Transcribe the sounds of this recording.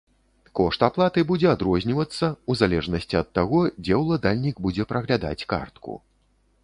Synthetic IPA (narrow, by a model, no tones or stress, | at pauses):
kɔʂt̪aplˠat̪ɨbud͡zʲɛad̪ɾɔzʲnʲivɐt̪sːɐuzalʲɛʐnɐsʲt͡sʲiɐt̪ːaɣɔd͡zʲɛwlˠad̪alʲnʲiɡbud͡zʲɛpɾɐɣlʲad̪a̰t͡sʲka̰rt̪kṵ